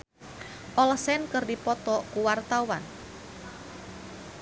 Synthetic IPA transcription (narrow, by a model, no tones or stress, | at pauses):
ʔɔlɔsɛnkərdipɔt̪ɔkuwart̪awan